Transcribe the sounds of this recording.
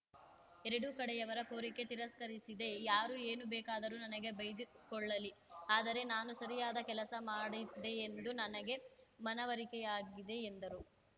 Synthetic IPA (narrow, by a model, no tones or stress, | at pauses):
ɛɾɐɽukɐɽɛjɐʋɐɾɐkoːɾike̞t̪iɾɐskɐɾisid̪e̞jaːɾue̞ːnubɛːkaːd̪ɐɾunɐnɐɡe̞bɐjd̪i | kɔɭːɐliaːd̪ɐɾe̞naːnusɐɾijaːd̪ɐkɛlɐsɐmaːɽid̪e̞ːnd̪unɐnɐɡe̞mɐnɐʋɐɾikɛjaːɡid̪e̞ːnd̪ɐɾu